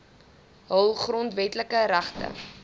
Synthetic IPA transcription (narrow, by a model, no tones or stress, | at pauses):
ɦəlˠχrɔntvɛtləkəɾæχtə̰